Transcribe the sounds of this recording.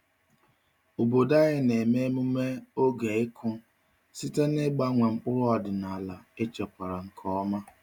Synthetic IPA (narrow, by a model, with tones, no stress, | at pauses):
o˨bo˨da˦ɣɪ˦ne˨me˦mu˦me˦o˦ɡe˨ɪ˦kʰʊ˦ | si˦te˦ne˦ɡ͡ba˦ŋʷe˨ŋ͡m̩˦k͡pʊ˦ɾʊ˦ɔ˨dɪ˨na˨la˨e˦t͡ʃɔ˨pʷa˨ɾa˨ŋ̩˨kʰɔ˦ɔ˦ma˦